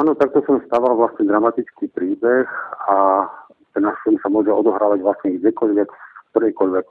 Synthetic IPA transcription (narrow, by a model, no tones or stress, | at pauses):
aːnɔt̪ak̚t̪ɔsɔmst̪aːʋalʋlasɲɛd̪ɾamat̪it͡skiːpɾiːbɛxa | t̪ɛnafimsamʊɔʒɛɔd̪ɔɦɾaːʋaɟʋlasɲɛɡɟɛkɔʎʋɛkk̚t̪ɔɾɛjkɔʎʋɛk